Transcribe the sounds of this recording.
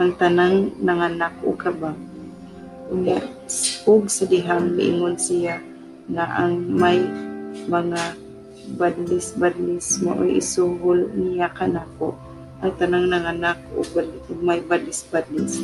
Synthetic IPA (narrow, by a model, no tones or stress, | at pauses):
ʔaŋt̪anaŋnaŋanako̰kaba | ʊŋaʔ | ʊɡsad̪ɪɦaŋmɪʔɪ̰ŋʊnsɪja | ŋaʔaŋmajmaŋa | bad̪lɪsbad̪lɪsmo̰ʔo̰jɪ̰suhʊlnɪjakanako̰ʔ | ʔaŋt̪anaŋnaŋanak̚o̰badʊɡ̚majbad̪lɪsbad̪lɪs